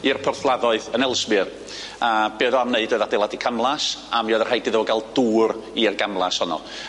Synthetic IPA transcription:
irpʰɔrθlˠaðɔɨðənɛlˠsbɨr | ab̥eːðɔamneɨdoːðadɛlˠadikʰamlˠasamjɔðərhajdɪðəɔɡalˠd̥uːɾirɡamlˠashɔnɔ̰

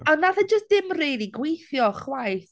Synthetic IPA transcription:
ɔnnaðəd͡ʒəs̚d̥ɪmrejliɡwejθjɔχwajθ

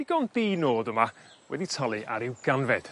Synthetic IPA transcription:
iɡ̥ɔnðiːnoːðʊmawɛ̰ditʰɔlˠiʔa̰ɾɪwɡ̥anvɛd̥

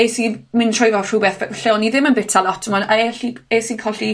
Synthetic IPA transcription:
esimɪntʰr̥ɔjvɔr̥ubɛθɬɛɔniðɪmənbɛtʰalˠɔtʰəmɔnaɛɬiesikʰɔɬi

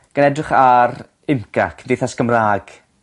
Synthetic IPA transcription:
ɡ̥anɛdrɪχar | ɪmkʰa̰kʰvdeθasɡəmraːɡ̥

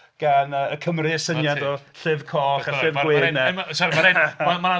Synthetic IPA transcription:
ɡ̥anəːəkʰəmriəsənjadɔɬɪvkʰɔχaɬɪvwɪnɛmasɔɾimaɾeamaa

